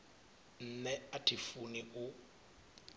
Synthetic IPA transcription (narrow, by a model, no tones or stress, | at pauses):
n̩nɛatʰifuniʊ